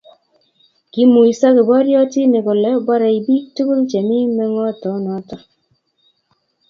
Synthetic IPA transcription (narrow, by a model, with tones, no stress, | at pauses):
ki˦mu˨i˨sa˦kɪ˨bɔ˦ɾjɔ˦ti˦ne˨kɔ˨lɛ˦ba˦ɾa˨i˨bi˦tu˦ku˦ɾt͡ʃe˨mɪ˦mɛ˦ŋɔ˦tɔ˨˦nɔ˨˦tɔ˨˦